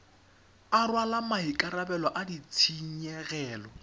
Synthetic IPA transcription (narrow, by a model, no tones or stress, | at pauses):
arwalamaɦikʼaɾabɛlɔʔadit͡sʰiɲ̩ɲɛɣɛːlɔ